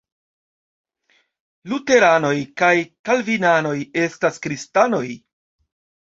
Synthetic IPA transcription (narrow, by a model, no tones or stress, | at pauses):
lute̞ɾano̞jkajkalvinano̞je̞staskɾistano̞j